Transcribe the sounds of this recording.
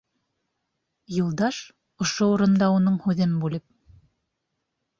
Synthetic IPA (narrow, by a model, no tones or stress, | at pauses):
julˠd̪ɑʃ | ŏʃouɾɤ̆nd̪ɑunɤɴhʉðɘmbʉlɘp̚